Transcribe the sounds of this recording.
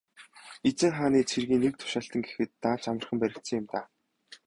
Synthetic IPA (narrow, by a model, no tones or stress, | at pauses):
et͡sɘ̆ŋχaːniːt͡sʰerɣiːnːek̚t̪ʰʊ̥ʃaːɬt̪ə̆ŋɡexɘ̆t̪ːaːt͡ɕamə̆rχə̆mpæɾʲɪ̆kt̪sɘ̆jɪ̆mt̪aː